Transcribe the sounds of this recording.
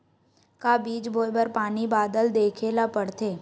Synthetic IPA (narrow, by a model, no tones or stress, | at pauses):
kabiːd͡ʒboːjbəɾpaːnibaːd̪əld̪eːkʰelapəɽt̪eː